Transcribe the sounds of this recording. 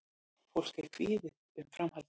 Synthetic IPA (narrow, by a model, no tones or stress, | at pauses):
fowl̥kḁkʰv̥iːðɪ | ʏmfɾamhal